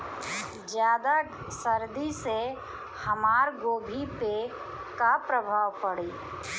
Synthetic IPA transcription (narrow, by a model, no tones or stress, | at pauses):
d͡ʒjaːd̪a | səɾd̪ise | hɐmaːɾɡoːbʱipe | kapɾəbʱaːʋpəɽiː